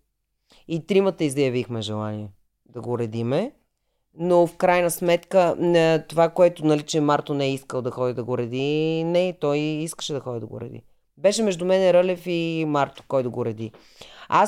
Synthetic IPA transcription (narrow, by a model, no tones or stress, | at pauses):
it̪ɾimət̪əizɐjɐvixmɛʒɛlˠaniɛ | d̪ɐɡoɾɛd̪imɛ | nofkɾajnəsmɛt̪kət̪ovakoɛt̪ʊnɐlit͡ʃɛmaɾt̪onɛɛiskəlˠd̪ɐxɔd̪id̪ɐɡoɾɛd̪inɛt̪ɔjiskə̥ʃɛd̪ɐxɔd̪id̪ɐɡʊ̰ɾɛ̰d̪ḭ | bɛʃɛmɛʒd̪ʊmɛnɛɾəlɛfimaɾt̪o̥kɔjd̪ɐɡoɾɛd̪i | a